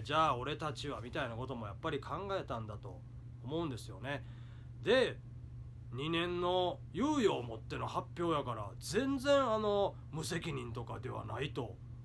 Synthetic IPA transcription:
d͡ʑaːo̞ɾe̞t̪at͡ɕiβamʲit̪ainako̞t̪o̞mo̞japːaɾʲikʰãŋɡae̞t̪ãnd̪at̪o̞ː | mo̞ɯ̃nd̪e̞sɨjo̞ne̞ | d̪e̞ | ɲ̟inẽ̞nːo̞ | jɯːjo̞ːmo̞t̪ːe̞no̞hapʲːjo̞ːjakaɾa̰d͡zẽ̞nd͡zẽ̞ɰ̃ano̞ | mɯ̟se̞kʲiɲ̟ĩnt̪o̞kad̪e̞βa̰nait̪o̞

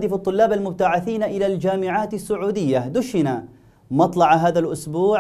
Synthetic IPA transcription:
d̪ɪfɑt̪ˤːʊlːaːbalmʊb̚t̪aʕaθiːnʔɪlald͡ʒaːmɪʕaːt̪asːʊʕuːd̪ɪjːad̪ʊʃɪna | mɑt̪ˤlɑʕɦaːðalʔʊsbuː

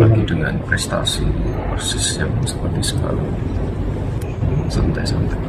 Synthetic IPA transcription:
laɡidəŋa̰npɾɛst̪a̰siposɛsjaŋsə̥pərt̪isəba̰la̰ | sant̪ajsənt̪aj

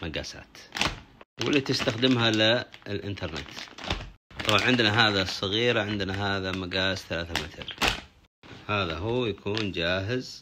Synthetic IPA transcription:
maɡa̰ːsa̰ːt̪ | wɪlːit̪ɪst̪axd̪ɪmɦalɪɪlʔɪ̰nt̪ɑɾˤnɪ̰t̪ | t̪ˤɑbanʕɪnd̪naɦaːðasˤːɑɣiːɾaʕɪnd̪naɦaːðamaɡaːsθalaːθamɪt̪ʰɾ | haːðaɦuːjakʰuːnd͡ʒaːɦɪz

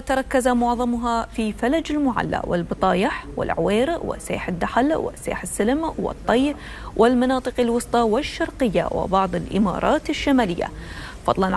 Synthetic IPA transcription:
t̪ɑɾˤɑkːazamʊʕðˤɑmʊɦafifalad͡ʒɪlmʊʕa̰lːa̰wɪ̰lbɨt̪ˤɑːjɪħwɪ̰lʕʊweːɾwɪ̰sḛːħɪd̪ːaħlwɪ̰sḛːħɪsːɪlɪmwɪ̰t̪ˤːɑjɾ | wʔɪlmɑnɑːt̪ˤɨqalwʊsˤt̪ˤɑwɪʃːɑɾˤqɪjːa̰wɪ̰bɑʕðˤɪlʔɪmɑ̰ːɾˤɑːt̪ɪʃːamaːlɪjːa̰fɑd̪ˤlɑn

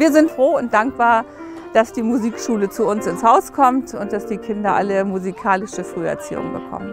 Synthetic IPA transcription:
viːɐzɪntfʁ̥oːʊnt̚d̥aŋk̚b̥aːɐ | d̥asd̥iːmuziːkʃuːlət͡suʊnsɪnshaʊskʰɔmtʰʊnt̚d̥asd̥iːkʰɪndɐʔa̰ləmuzikʰaːlɪʃəfʁ̥yːɛ̰ɐt͡sḭːʊ̰ŋbə̰kʰɔ̰mən

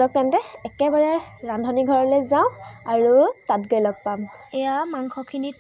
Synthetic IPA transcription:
lɔk̚tɛntɛɛkɛbaɹaɹandʱɔniɡʱɔɹɔlɛzaʊ̃aɹutatɡojlɔk̚pamɛjamaŋkʰɔkʰini

